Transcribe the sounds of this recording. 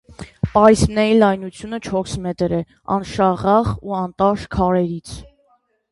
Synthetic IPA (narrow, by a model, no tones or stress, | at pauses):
pɑɾismnɛɾilɑjnut͡sʰjunət͡ʃʰɔsmɛt̪ɾɛ | ɑ̰nʃɑʁɑʁuɑnt̪ɑʃkʰɑɾɛɾit͡sʰ